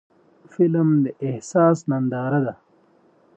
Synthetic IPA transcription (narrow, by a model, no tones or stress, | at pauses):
filmd̪əehsaːsnɐnd̪aːɾad̪a